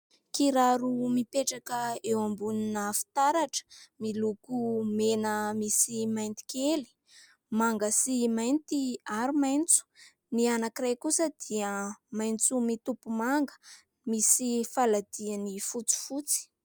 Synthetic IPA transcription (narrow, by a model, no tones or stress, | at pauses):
kiɾaɾumipeʈ͡ʂakəewambuninafi̥t̪aɾaʈ͡ʂə̥milukumenəmisimajnt̪i̥keli̥ | maŋɡəsimajnt̪iaɾumajnt͡su̥ | nianakirajkusəd̪̥iəmajnt͡sumit̪upumaŋɡə̥ | misifalad̪̥ianifut͡si̥fut͡si̥